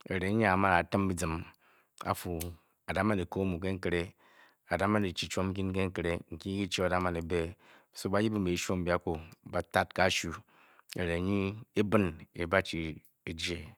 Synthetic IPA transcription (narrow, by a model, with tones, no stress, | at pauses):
e˨ɾe˨˦ɲ˦a˦a˨˦ma˦na˨tɨ˦m˦bi˦d͡zɨ˨m | a̰˨fu˨ | a˨da˦ma˦ni˨ko˦mu˨k̬e˦ŋ̩˦ke˦ɾe˦ | a˨da˦ma˦ni˨t͡ʃi˨t͡ʃo˦m̩˦k̬ʲi˦n˦ke˦ŋ̩˦kɾe˦ŋ̩˨kʲi˦ɡi˦t͡ʃi˦a˨da˦ma˨ni˨be˦ | so˦ba˦ji˦bi˦˨e˨˦ʃo˦m̩˦bʲa˦ko˦ba˨ta˦t̚ka˦ʃu˦ | ḛ˨ɾe˨˦ɲi˦e˦bɨ˦ne˨˦ba˦t͡ʃi˨ | i˦d͡ʒe˦